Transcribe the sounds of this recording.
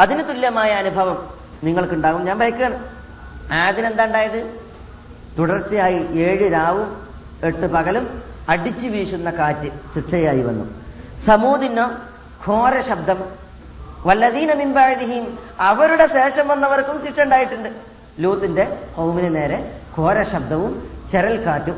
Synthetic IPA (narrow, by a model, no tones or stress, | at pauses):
ɐðinɨt̪ulːɐmaːjɐːnubʱɐʋɐm | niŋːɐɭkuɳɖaːɣumɲaːnbʱɐjɐkːiɣɐːɳɐm | aːðine̞nd̪aːuɳɖaːjɐðɨ | t̪uɽɐrt͡ɕːijaːjiʔeːɻɨɾaːʋum | e̞ʈːɨpɐɣɐlumɐɽit͡ɕːɨʋiːʂunːɐkaːtːɨsiʈʂɐjaːjiʋɐ̰nːṵsɐmuːd̪inːɐ | kʰo̞ːɾɐɕɐb̚d̪ɐm | ʋɐlːɐðiːnɐminbaʕd̪iɦimɐʋɐɾuɽe̞ɕe̞ːʂɐmʋɐnːɐʋɐrkumsiʈʂɐuɳɖaːjiʈːuɳɖɨ | luːt̪ːinde̞howminɨne̞ːɾe̞kʰo̞ːɾɐɕɐb̚d̪ɐʋumt͡ɕeɾɐlkaːtːu